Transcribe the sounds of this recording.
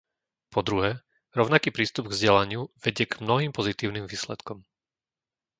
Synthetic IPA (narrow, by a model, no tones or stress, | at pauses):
pʰɔd̪ɾuɦɛː | ɾɔʊnakiːpɾiːst̪ubɡvzɟɛlaɲɪuʋɛɟɪɛɡmnɔɦiːmpɔzit̪iːʊnimʋiːslɛt̪kɔm